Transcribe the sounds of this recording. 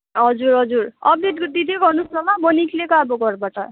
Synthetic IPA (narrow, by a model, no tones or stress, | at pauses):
ɦʌd͡zuɾɦʌd͡zurʌb̚d̪eʈkd̪id̪ʱeɡʌrnuslʌmabʌnikʰlekʌaboɡʌrbaʈʌ